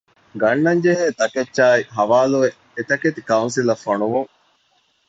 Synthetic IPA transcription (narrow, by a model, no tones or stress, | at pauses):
ɡɐɳːɐɲd͡ʒeɦeːt̪ɐket͡ʃːaːiɦɐʋaːlue | et̪ɐket̪ikɐunsilɐfːɐɳuʋuŋ